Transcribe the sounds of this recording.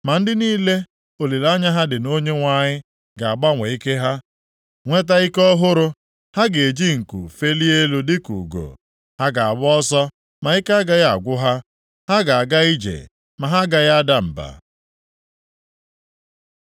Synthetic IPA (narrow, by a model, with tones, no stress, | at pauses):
ma˨n̩˦dɪ˦niː˦le˦ | o˨li˨la˦ɲa˦ɦa˦dɪ˨no˦ɲe˦ŋʷa˨ɲɪ˦ | ɡa˨a˨ɡ͡ba˦ŋʷe˨i˦ke˦ɦa˦ | ŋʷe˦t̬a˦i˦kɔ˦ɦʊ˦ɾʊ˦ | ha˦ɡe˨e˨d͡ʒi˦ŋ̩˨kṵ˨fe˦li˦e˦lu˦dɪ˦kṵ˨ɡo̰˨ | ha˦ɡa˨a˨bʊ˦ɔ˦sɔ˦ | ma˨i˦ka˦ɡa˨ja˦a̰˨ɡʷʊ˦ɦa˦ | ha˦ɡa˨a˨ɡa˦i˦d͡ʒḛ˨ | ma˨ɦa˦ɡa˨ja˦a˦da˦m̩˨ba̰˨